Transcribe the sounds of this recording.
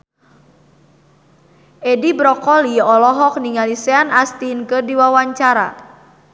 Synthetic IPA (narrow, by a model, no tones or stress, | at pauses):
ʔɛdibɾɔkɔliɔlɔɦɔk̚niŋalisɛanast̪inkɨrdiwawaɲt͡ʃaɾa̰